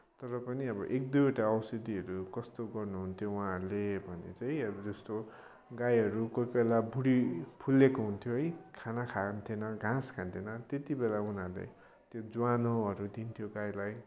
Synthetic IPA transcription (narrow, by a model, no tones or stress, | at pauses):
t̪ʌɾʌpʌniʌbʌ̰ʔek̚d̪ujoʈaʌwsʌd̪iʌɾukʌst̪oɡʌrnuɦunt̪ʰjowãrlebʱʌnḛt͡sajʌbʌd͡zʌst̪o | ɡajɦʌɾukojkelabʱuɽipʰulekoɦunt̪ʰjoɦʌjkʰanakʰant̪ʰinʌɡʱãskʰant̪ʰinʌt̪et̪ibelaunarlḛ | t̪jod͡zwanoʌɾud̪int̪ʰjoɡajlaj